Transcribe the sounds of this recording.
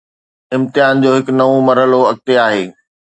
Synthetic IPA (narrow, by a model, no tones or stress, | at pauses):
ɪ̃mt̪ɪjaːnd͡ʑoːɦɪknɐʋõmɐɾɦəloɐk̚t̪eaːɦeː